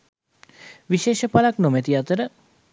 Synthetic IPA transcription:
ʋiʃeːʃəpalaknomɛt̪iat̪əɾə

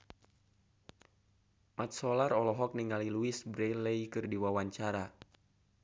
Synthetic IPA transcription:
mat̪̚sɔlarɔlɔɦɔk̚niŋaliluisbɾɛleikɨrdiwawaɲt͡ʃaɾa

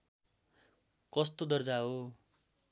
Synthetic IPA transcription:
kʌst̪od̪ʌrd͡zaɦo

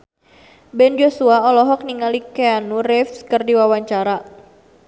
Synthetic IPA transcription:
bɛnd͡ʒosuaɔlɔɦɔk̚niŋalikɛanurɛfskərdiwawaɲt͡ʃaɾa

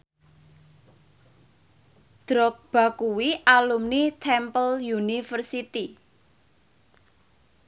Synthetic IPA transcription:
d̪̥ɾɔk̚b̥a̤kuwiʔalumnit̪ʰɛmpəljunifərsit̪i

